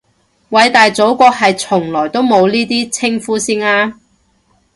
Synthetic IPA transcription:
wɐ˨˧jt̪aː˨jt͡so˨˥wkɔː˧k̚ɦɐ˨jt͡sʰʊ˨˩ŋlɔː˨˩jt̪o˥wmo˨˧wliː˥t̪iː˥t͡sʰɪ˥ŋfuː˥siː˥naː˥

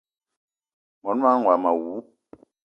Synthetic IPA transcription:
mɔ˨n˦a˦ŋ˨a˨ma˨wu˨˦

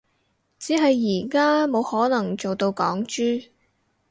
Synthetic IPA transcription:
t͡siː˨˥ɦɐ˨jːiː˨˩kaː˥mo˨˧whɔː˨˥nɐ˨˩ŋt͡so˨wt̪o˧wkɔː˨˥ŋt͡ʃyː˥

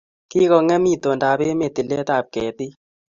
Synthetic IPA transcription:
ki˦kɔ˧ŋɛ˦mi˦to˨nda˨be˦me˨ti˨lɛ˦ta˨p̚kɛ˨ti˦

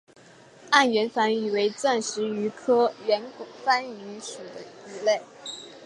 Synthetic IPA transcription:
a˥˩nɥɛ˧˥nfa˧˥ny˨˩we˧˥ɪt͡sa˥˩nʂɻ̩˧˥y˧˥kʰɤ˥ɥɛ˧˥nkʊ˨˩fa˥ny˧˥ʂu˨˩d̪ə˦y˧˥le˥˩ɪ

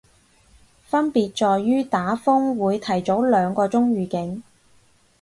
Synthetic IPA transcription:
fɐ˥npiː˨t̚t͡ʃɔː˨˧jːyː˥t̪aː˨˥fʊ˥ŋwuː˨˧jt̪ʰɐ˨˩jt͡so˨˥wlœː˨˧ŋkɔː˧t͡sʊ˥ŋɥyː˨kɪ˨˥ŋ

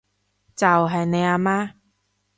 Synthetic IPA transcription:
t͡sa˨˩wɦɐ˨˩jne˧aː˧maː˦˥

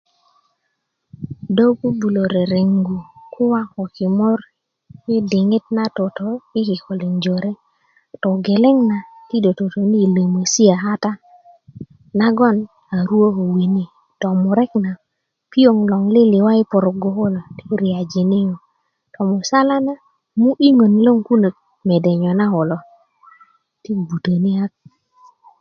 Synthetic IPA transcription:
do˦pu˦bu˨lo˨ɾe˨ɾe˨ŋɡu˨kʰʊ˦wa˦ɔ˨kɪ˨mɔ˦r | ɪ˦dɪ˨ŋɪ˦t̚na˦to˨tɔ˨ɪ˦kɪ˨kɔ˨li˨ŋd͡ʒo˨ɾe˦ | tɔ˨ɡe˨lɛ˦ŋna˨ti˦do˨to˨to˨ni˦˨lo˨mo˨si˦a˨ɦa˦ta˦ | na˦ɡɔ˦n | a˨ɾu˦o˦ho˨wi˨ni˦ | tɔ˨mʊ˨ɾɛ˦kna˨ | pi˦o˨ŋlɔ˨ŋlɪ˦lɪ˨wa˦ɪ˦pʊ˨ɾʊ˨ɡo˦ho˦lo˨ti̥˦ɾi˨a˨d͡ʒe˨ne˦ŋo˨ | tɔ˨mʊ˨sa˦la˦na˦ | mu˦ʔi˦ŋo˨nlo˦ŋku˦nə˨k̚ | mɛ˨dɛ˨ɲɔ˨na˦ho˨lɔ˨ | ti˦bu˨tə˨ni˦ha˦k̚

